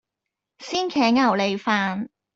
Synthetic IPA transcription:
siː˥nkʰɛː˨˥ŋɐ˨˩wle˨jfaː˨˧n

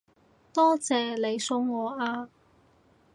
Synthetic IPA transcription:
t̪ɔː˥t͡sɛː˨˧le˨˧jsʊ˧ŋːɔː˨˧ʔaː˧

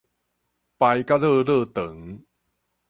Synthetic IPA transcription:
pa˧jka˥˩ɾɤː˥˩ɾɤː˥˩t̪ɤ˩˦ŋ

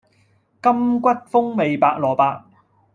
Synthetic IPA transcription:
kɐ˥mkʷɐ˥t̚fʊ˥ŋme˨jpaː˧k̚lɔː˨˩paː˧k̚

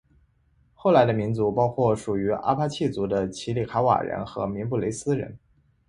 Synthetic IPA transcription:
xo˥˩ʊla˧˥ɪd̪ə˧mi˧˥nt͡su˧˥pɑ˥ʊkʰwɔ˥˩ʂu˨˩y˧˥ʔa̰˥pʰa˥t͡ɕʰi˥˩t͡su˧˥d̪ə˧t͡ɕʰi˧˥li˨˩kʰa˧˥wa̰˨˩ɻə̰˧˥nxɤ˧˥mi˧˥npu˥˩le˧˥ɪsɹ̩˥ɻə̰˧˥n

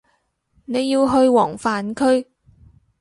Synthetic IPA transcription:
ne˨˧jːiː˧wɦɵ˧ɥwɔː˨˩ŋfaː˨nkʰɵ˥ɥ

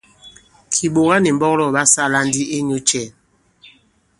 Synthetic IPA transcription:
kʰi˨ɓo˨ɣa˦ni˨m˦bɔ˦klɔ˦˨ɓa˦sa˦˨la˦ndi˦ʔe˦ɲo˦t͡ʃɛ˦˨

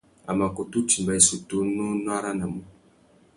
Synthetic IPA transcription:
a˨ma˨ko˨tu˦ti˨mba˨i˨su˨tu˦no˦n˦a˦ɾa˦na˨mu˦

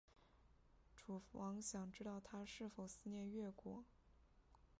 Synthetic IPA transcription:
ʈ͡ʂʰu˨˩wɑ˧˥ŋɕjɑ˨˩ŋʈ͡ʂɻ̩˥t̪ɑ˥˩ʊt̪ʰa˥ʂɻ̩˥˩fo˨˩ʊsɹ̩˥˧njɛ˥˧nɥɛ˥˩kwɔ˨˩˦

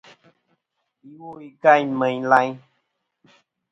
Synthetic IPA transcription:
i˨wo˦i˨ka˦˨jmə̃˨j̃la˦j̃

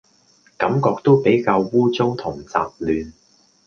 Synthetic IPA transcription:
kɐ˨˥mkɔː˧k̚t̪o˥wpe˨˥jkaː˧wːuː˥t͡so˥wt̪ʰʊ˨˩ŋt͡sa̰ː˧p̚lyː˨˧n

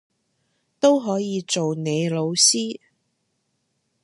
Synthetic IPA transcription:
t̪o˥wɦɔː˨˥jiː˨˧t͡so˨wne˨˧jlo˨˧wsiː˥

